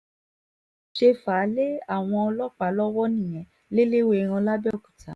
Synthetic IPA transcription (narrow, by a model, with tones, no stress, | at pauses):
ʃe˧fa˨˦le˦a˦˨w̃ɔ̃˧ɔ˧lɔ˦k͡pa˨˦lɔ˦wɔ˦nĩ˦˨j̃ɛ̃˨˦ | le˦le˦we˦˨˧ɾ̃ɔ̃˧la˦bɛ˦ɔ˦˨kũ˨tʰa˨˦